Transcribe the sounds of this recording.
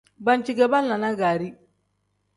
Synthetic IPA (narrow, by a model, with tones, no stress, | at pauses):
ba˦nt͡ʃi˦˨ɡɛ˨ba˦n̩ː˦a˨na˦ɡaː˨ɾi˦